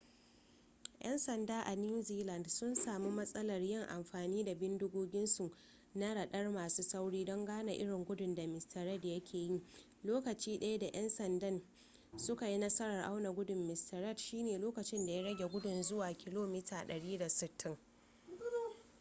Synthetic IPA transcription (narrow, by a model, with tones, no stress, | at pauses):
ʔɛ̰˦nsɐ˨ndaː˦ʔa˨nu˦ziː˦lɐ˨ndsʊ˦nsaː˨mu˦mɐ˦sʼɐ˦lɐ˨rjɪ˦ŋʔa̰˨mɸaː˨niː˦da˨bɪ˦ndʊ˦ɡoː˦ɡʲɪ˦nsu˨ʔ | na˦ɽɐ˨ɗɐ˦rmaː˨suː˦sa˦wɽiː˦dɔ˦ŋɡaː˦na˨ʔɪ˦ɽɪ˨ŋɡʷʊ˦dʊ˨nda˨mɪ˨stʰɐ˨ɾɐ˦djɐ˦kʲʰeː˨ji˦ | loː˦kɐ˨t͡ʃiː˦ɗɐ˦ja˦da˨ʔɛ˦nsɐ˨ndɐ˦˨n | sʊ˦ka˨ji˦nɐ˦sɐ˦ɽɐ˨rʔa̰˦wna˨ɡʷʊ˦dʊ˨mːɪ˨stɐ˨ɾɐ˦dʃiː˦neː˨loː˦kɐ˨t͡ʃɪ˦nda˨ja˦ɽɐ˦ɡʲe˨ɡʷʊ˦dʊ˨nzʊ˦waː˨kʲɪ˦loː˦miː˦tʰaː˨ɗɐ˨ɽiː˦da˨sɪ˨tʰːɪ˦ŋ